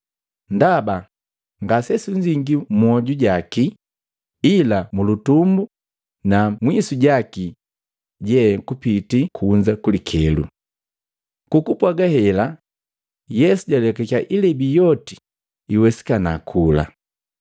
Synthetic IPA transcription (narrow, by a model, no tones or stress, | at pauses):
ndaba | ŋɡasɛsuɲd͡ʒiŋɡimɔɟuɟaki | ilamulutumbu | namwisuɟaki | ɟɛkupitikʰuːɲd͡ʒakulikʰɛlṵ | kukupwaɡahɛla | jɛsuɟalɛkakaʔilɛbijɔti | iwɛsi̥kanakʰula̰